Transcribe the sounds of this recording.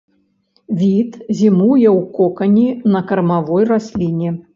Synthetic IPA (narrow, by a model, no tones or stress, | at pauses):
vʲit̪zʲimujɛwkɔkɐnʲinɐkɐrmavɔjrasʲlʲinʲɛ